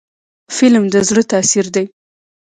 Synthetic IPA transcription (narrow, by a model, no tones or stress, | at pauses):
fɪlmd̪əzɽət̪ɑsiɾd̪aj